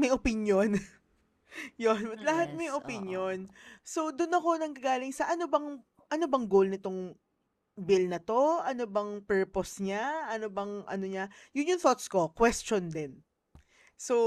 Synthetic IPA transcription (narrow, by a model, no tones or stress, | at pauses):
mɐjʔopɪnjon | jonbɐt̪lɐɦat̪̚mɐjʔopɪnjonso̞d̪ʊnɐko̞nɐŋkɐɡaːlɪŋsɐʔɐnobɐŋ | ʔɐnobɐŋɡolnɪt̪o̞ŋ | bɪlnɐt̪o̞ʔɐnobɐŋpɛɹposɲaʔɐnobɐŋʔɐ̰noɲajʊnjʊŋθot̪sko̞kwɛst͡ʃond̪ɛn | so